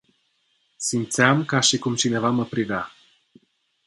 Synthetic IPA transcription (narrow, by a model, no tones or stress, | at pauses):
simt̪sɪamkaʃikumt͡ʃine̞vaməpɾivea